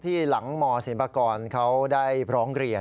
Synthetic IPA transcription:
t̪ʰiː˥˩la˩˦ŋmɔː˧si˨˩˦npʰaː˧kɔː˧nkʰa˦˥wdaː˥˩jpʰɾɔː˦˥ŋɾi˧ə

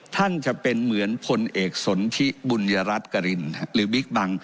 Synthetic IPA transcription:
t̪ʰa˥˩nt͡ɕa˨˩ʔpe˧nmɯ˩˦ənpʰo˧nʔeː˨˩k̚so˩˦nt̪ʰi˦˥bu˧nja˧ɾa˦˥t̪̚ka˧ɾi˧nɾɯː˩˦bi˦˥k̚ba˧ŋ

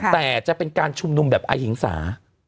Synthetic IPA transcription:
t̪ɛː˨˩t͡ɕa˨˩ʔpe˧nkaː˧nt͡ɕʰu˧mnu˧mbɛː˨˩p̚ʔa̰˧jhi˨˩˦ŋsa̰ː˩˦

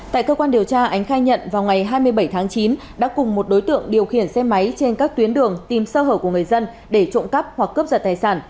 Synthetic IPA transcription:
t̪a̰ː˧˨jkə˧kwaː˧nɗi˨˩əwt͡ɕaː˧ʔa˨˦jŋ̟xaː˧jɲə̰˧˨nvaː˨˩wŋa˨˩jɦaː˧jmɨ˧əjɓə˧˩jt̪ʰaː˨˦ŋt͡ɕi˨˦n | ɗa̰ː˧˥kʊ˨˩ŋ͡mmo˨˩t̚ɗo˨˦jt̪ɨ̰˧˨əŋɗi˨˩əwxḭ˧˩ənsɛ˧ma˨˦jt͡ɕe˧nkaː˦˥k̚t̪wi˨˦ənɗɨ˨˩əŋt̪i˨˩msəː˧ɦəː˧˩ku˧˩ŋ˨˩əjzə˧n | ɗe˧˩t͡ɕo̰˧˨ŋ͡mkə˦˥p̚hwa˨˩kːə˦˥p̚zə˨˩t̪aː˨˩jsaː˧˩n

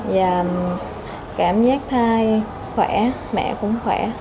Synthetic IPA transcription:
zaː˨˩ | kaː˧˩mzaː˦˥k̚t̪ʰaː˧j | xwɛ˧˩ | mɛ̰˧˨kʊ̰˧˥ŋ͡mxwɛ˧˩

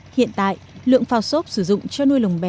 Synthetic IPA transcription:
hḭ˧˨ənt̪a̰ː˧˨jlɨ̰˧˨əŋfaː˧˩wso˦˥p̚sɨ˧˩zʊ̰˧˨ŋ͡mt͡ɕɔ˧nu˧əjlə˨˩wŋ͡mɓɛ˨˩

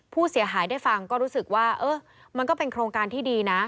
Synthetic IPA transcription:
pʰuː˥˩si˨˩˦ɐɦaː˩˦jdaː˥˩jfa˧ŋkɔː˥˩ɾuː˦˥sɯ˨˩k̚waː˥˩ʔɤː˧˥˩ | ma˧nkɔː˥˩pe˧nkʰɾoː˧ŋkaː˧nt̪ʰiː˥˩diː˧na˦˥

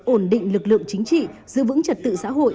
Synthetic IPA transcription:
ʔo˧˩nɗḭ̈˧˨ŋ̟lɨ˨˩k̚lɨ̰˧˨əŋt͡ɕï˨˦ŋ̟t͡ɕḭ˧˨zɨ̰˧˦əvɨ̰˧˥ŋt͡ɕə˨˩t̚t̪ɨ̰˧˨sa̰ː˧˥ɦo̰˧˨ʔ

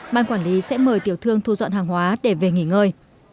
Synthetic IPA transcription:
ɓaː˧nkwaː˧˩nli˨˦sɛ̰˧˥məː˨˩jt̪i˧˩əwt̪ʰɨ˧əŋt̪ʰu˧zɔ̰˧˨nhaː˨˩ŋɦwaː˨˦ɗe˧˩ve˨˩ŋi˧˩ŋəː˧˩j

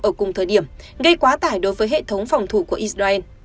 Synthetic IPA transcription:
ʔəː˧˩kʊ˨˩ŋ͡mt̪ʰəː˨˩jɗi˧˩əmɣə˧jkwaː˨˦t̪aː˧˩jɗo˨˦jvəː˨˦jɦḛ˧˨t̪ʰə˨˦wŋ͡mfa˨˩wŋ͡mt̪ʰu˧˩ku˧˩əʔi˧˥szaː˧ʔɛː˧n

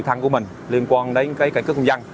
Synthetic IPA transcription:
t̪ʰa˧ŋku˧˩əmï˨˩ŋ̟ | li˧ənkwaː˧nɗə˨˦jkaː˨˦jkaː˧˩kkhə˧wŋ͡mza˧ŋ

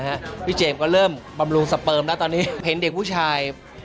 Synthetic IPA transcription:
a˦˥ʔpʰiː˥˩t͡ɕeː˧mkɔː˥˩ɾɤː˥˩mba˧mɾu˧ŋsa˨˩pɤː˧mlɛ˦˥t̪ɔː˧nːiː˦˥ɦe˩˦nde˨˩k̚pʰuː˥˩t͡ɕʰaː˧j

